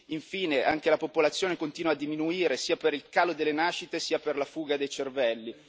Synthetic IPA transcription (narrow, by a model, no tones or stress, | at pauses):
iɱfiːneʔa̰ŋkelapopolat̪sːjoːnekont̪iːnwad̪ːiminuiːɾesiːapeɾilkaːlod̪elːenaːʃːit̪esiːaperlafuːɡad̪ejt͡ʃervɛlːi